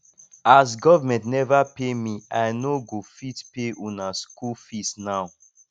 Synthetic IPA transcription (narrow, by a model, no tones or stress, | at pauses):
as̬ɡɔvamɛ̃ntnɛvapemiajnoɡofitpeʔunaskulfisnaʊ